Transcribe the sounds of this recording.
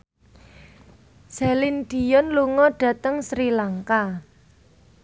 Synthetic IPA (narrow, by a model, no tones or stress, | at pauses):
z̥a̤linɖ̥i̤jɔnluŋɔɖ̥ä̤t̪əŋsɾilaŋka